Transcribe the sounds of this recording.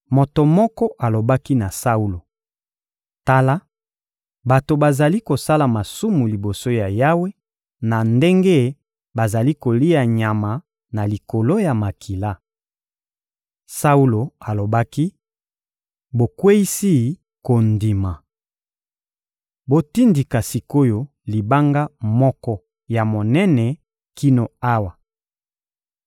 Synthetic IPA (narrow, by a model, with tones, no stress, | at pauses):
mo˨to˨mɔ˦kɔ˦ʔa˨lo˨ba˦ki˦na˨sa˦u˦lo˨ | ta˦la˦ | ba˨to˨ba˨za˨li˦ko˨sa˦la˨ma˨su˦mu˨li˨bo˨so˦ja˨ja˦we˦ | na˨nde˦ŋɡe˦ | ba˨za˨li˦ko˨li˦a˨ɲa˨ma˨ | na˨li˨ko˨lo˦ja˨ma˨kʰi˨la˦ | sa˦u˦lo˨a˨lo˨ba˦ki˦ | bo˨kwe˦i˦si˦ | ko˨ndi˨ma˨ | bo˦ti˦ndi˨ka˨si˨ko˦jo˦ | li˨ba˦ŋɡa˦mɔ˦kɔ˦ | ja˨mo˨nɛ˦nɛ˨ | ki˦no˨a˦wa˨